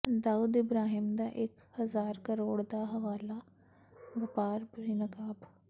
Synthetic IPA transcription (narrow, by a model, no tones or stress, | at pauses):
d̪aːuːd̪ɪbɾaːɦiːmd̪aːʔɪkhəzaːɾkəɾoːɽd̪aːɦəʋaːlaː | ʋɪpaːɾbəɽiːnəkaːb